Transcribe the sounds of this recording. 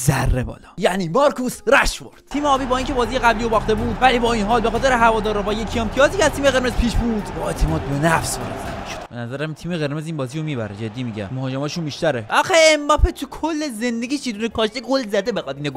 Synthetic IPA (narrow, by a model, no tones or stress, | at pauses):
zærːebɒ̰ːlɒjæʔniːbɒɾkʰusɾæʃvo̰ɾd̪̥t̪ʰiːmeɒːbiːbɒːiːncʰe̞bɒːzijeɣæblijobɒːxt̪e̞buːd̪væliːbɒːinɦɒːlbe̞xɒːt̪e̞ɾeɦævɒːd̪ɒːɾɒbɒːjecʰieemt̪ʰijɒːziːcʰʲeæz̥t̪ʰiːmeɣe̞ɾmezpʰiːʃbuːd̪̥bɒet̪ʰemɒːt̪̚benæfsvɒ̰ːɾed̪zæ̰æʃo̥d̪̥benæzæɾæmt̪ʰiːmeɣe̞ɾme̞ziːnbɒːzijomiːbæ̰ɾed͡ʒed̪ːiːmiːɟæ̰mmohɒːd͡ʒemɒːʃunbiːʃt̪æɾeʔɒxeembɒːpet̪ʰukʰolːeze̞nd̪eɡʲiːʃiːd̪unekʰɒːʃt̪ikolzæd̪e̞bexɒd̪iːneɡo